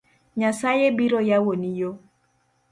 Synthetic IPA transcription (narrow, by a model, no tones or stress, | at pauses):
ɲasajebiɾojawonijo